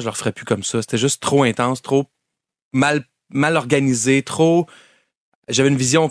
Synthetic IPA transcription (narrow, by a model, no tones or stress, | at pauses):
ʒələʁfəʁɛpykʌmsʌse̥t̪ɛʒʏstt̪ːχoɛ̃t̪ɑ̃st̪χo | mal | malɔʁɡanizet̪χo | ʒavɛynvizjɔ̃